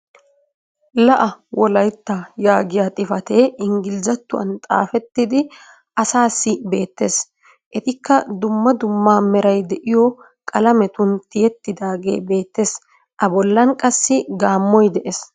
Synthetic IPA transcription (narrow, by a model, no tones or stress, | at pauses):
lɐʔɐwɔlɐjt̪ːajaːɡɪjat̪ʼɪfɐt̪e̞ːɪŋɡɪlzɐt̪ːʊɐ̰nt̪ʼa̰ːfɛt̪ːɪd̪ɪ | ʔɐsaːsːɪbe̞ːt̪ːe̞ːs | ʔɛt̪ɪkːɐd̪ʊmːɐd̪ʊmːaːmɛɾɐjd̪ɛʔɪjɔ | kʼɐlɐmɛt̪ʊnt̪ɪjɛt̪ːɪd̪aːɡe̞̰ːbe̞ːt̪ːe̞ːs | ʔɐbɔlːɐnkʼɐsːɪɡaːmːɔjd̪ɛʔes